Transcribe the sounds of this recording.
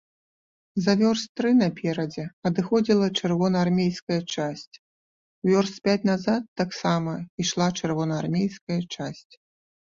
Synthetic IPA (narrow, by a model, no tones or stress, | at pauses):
zɐvʲɔrst̪ɾɨnɐpʲɛɾɐd͡zʲɛɐd̪ɨxɔd͡zʲilˠɐt͡ʂɛrvɔnɐarmʲejskɐjɐt͡ʂasʲt͡sʲ | vʲɔrst̪pʲat͡sʲnazat̪ːaksamɐiʂlˠat͡ʂɛrvɔnɐarmʲejskɐjɐt͡ʂasʲt͡sʲ